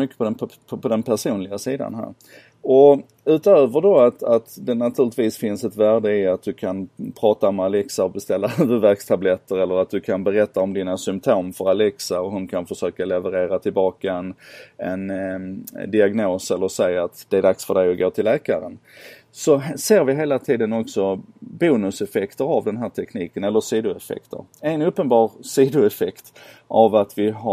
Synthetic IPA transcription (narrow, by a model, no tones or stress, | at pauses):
mʏkːə̥pʰɔd̪ɛnʰ | pʰɔd̪ɛnpʰæʂuːnlɪɡasiːd̪a̰nɦæ̰ːɾ | ɔ | ʉ̟ːt̪øːvəɖɔat̪at̪d̪ɛnat̪ʰʉ̟ɾlɪt̪viːsfɪnsɛt̪væːɖəɪat̪̚d̪ɵkʰanpʰɾɑːt̪aɔmalɛksaɔbɛst̪ɛlːaœːvəvæɾkst̪ʰablɛt̪ːəɾɛlːəɾat̪̚d̪ɵkʰanbɛɾɛt̪ːaɔmd̪iːnasʏmp̚t̪ʰoːmfœɾalɛksaɔɦʊnkʰanfəʂøːkalɛvəɾeːɾat̪ʰɪlbɑːkaɛnɛ̰n | d̪ɪaɡnoːsɛlːəɾsɛjaːt̪d̪̥ɛæɖaksfœɖɛjɔɡoːt̪ʰɪlːɛːka̰ɾə̰n | sɔseːɾvɪɦeːlat̪ʰiːd̪ənɔksɔbuːnɵsɛfɛkt̪əɾavd̪ɛnɦæːʈʰɛkniːkənɛlːəsiːd̪ʊɛfɛ̰kt̪ʰə̰ɾɛnɵpːənbɑːɾsiːd̪ʊɛfɛkt̪ʔavat̪vɪɦa